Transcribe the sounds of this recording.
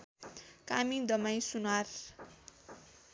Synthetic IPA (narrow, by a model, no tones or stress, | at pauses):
kamid̪ʌmaj̃sunar